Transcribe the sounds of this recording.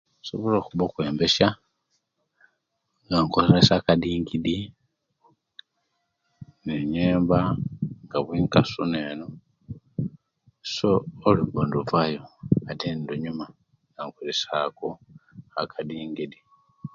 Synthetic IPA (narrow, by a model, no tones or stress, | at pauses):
suβoloːxuβokwe̞ːmbesja | ŋɡaŋkoɾeɾesakadiːŋɡidi | neɲeːmbaŋɡaβwiːŋkasuneːno | soːliβoːnduvwajoatendoɲuma | ŋɡaŋkolesakoakʰadiːŋɡidi